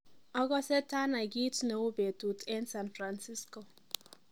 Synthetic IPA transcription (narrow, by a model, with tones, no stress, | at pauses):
ɔ˦ɡɔ˦se˦ta˦na˨ɡi˦tne˨u˦be˨tu˨tɛ˦nsa˨nfɾa˨nsi˦sko˨